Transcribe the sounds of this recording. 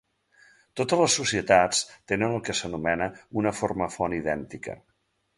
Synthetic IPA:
t̪ot̪ələsːusiət̪at͡st̪enənəlˠkəsənumɛnəunəforməfɔniðɛnt̪ikə̰

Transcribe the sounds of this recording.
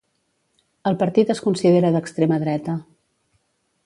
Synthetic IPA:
əlˠpəɾt̪it̪əskunsiðeɾəðəkst̪ɾeməðɾɛt̪ə

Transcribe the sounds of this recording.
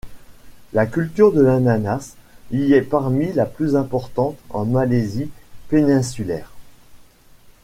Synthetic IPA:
lakʲylt̪yʁd̪əlananasiɛpaʁmilaplyzɛ̃pɔʁt̪ɑ̃t̪ɑ̰̃malezipenɛ̃sylɛ̰ːʁ

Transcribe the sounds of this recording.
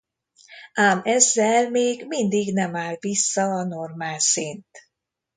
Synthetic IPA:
ʔaːmɛzːɛlmeːɡmind̪iɡnɛmaːlvisːɒɒno̞rmaːlsint̪

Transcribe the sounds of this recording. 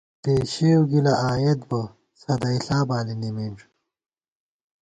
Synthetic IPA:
t̪eːɕewɡilɐaːjɐt̪̚bɐ | sɐd̪ɐiɬaːbaːlinimiɳʈ͡ʂ

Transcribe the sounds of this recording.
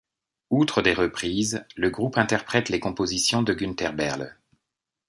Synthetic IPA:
ut̪χəd̪eʁəpχizləɡʁupɛ̃t̪ɛʁpχɛt̪lekɔ̃pozisjɔ̃d̪əɡynt̪ɛʁbɛʁl

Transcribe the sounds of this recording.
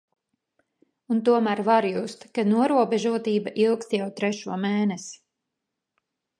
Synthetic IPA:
unt̪uɔmæːɾvaɾjust̪kanuɔɾuɔbɛʒuɔt̪iːbaʔilˠkst̪jawt̪ɾɛʃuɔmɛːnɛsi̥

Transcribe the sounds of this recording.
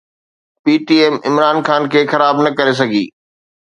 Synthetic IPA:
piːʈiɛːmɪmɾaːnxaːnkʰeːxɐɾaːbnɐkɐɾes̬ɐɡʱḭː

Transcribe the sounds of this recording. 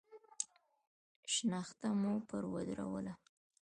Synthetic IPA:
ʃnaxt̪amupəɾwad̪ɾa̰wə̰la

